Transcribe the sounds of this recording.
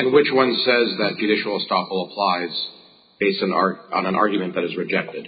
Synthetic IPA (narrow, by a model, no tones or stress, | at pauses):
ɨ̃nwɨt͡ʃwʌ̃nsɛzðɨt̚d̥ʒ̥ɨɾɪʃl̩ˠəstɑpl̩ˠəpʰl̥aɪz̥ | b̥eɪstñnə̃nʔɑ̰ɹɡjmɨ̃nðɨɾɨzɹɨd͡ʒɛk̚tɨd̥